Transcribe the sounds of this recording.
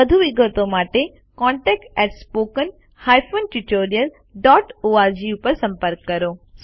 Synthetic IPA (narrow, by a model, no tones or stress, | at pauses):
əd̪ʱuʋiɡət̪omaːʈe | kɔ̃ːɳʈɛːk̚ʈɛʈspoːkən | haːjpʰonʈuʈoːɾijəl | ɖɔːʈoːaɾd͡ʑiupəɾsɐ̃mpəɾkːɐɾoː